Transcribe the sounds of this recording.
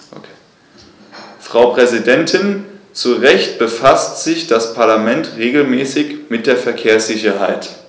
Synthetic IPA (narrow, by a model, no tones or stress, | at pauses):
fʁ̥aʊpʁ̥ɛzidɛntʰɪnt͡suʁɛçt̚b̥əfastz̥ɪçd̥aspʰaɐlamɛntʁeːɡl̩mɛːsɪçmɪt̚d̥eːɐfɛɐkʰeːɐsz̥ɪçɐɦaɪt